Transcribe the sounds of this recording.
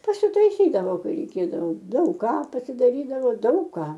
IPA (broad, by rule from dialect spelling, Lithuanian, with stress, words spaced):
pɐsʲʊtɐɪˈsʲiːdɐʋoː ˈkɐɪ rʲɛɪˈkʲeːdɐʋoː dɐʊk ˈkɑː pɐsʲɪdɐˈrʲiːdɐʋoː ˈdɐʊk kɑː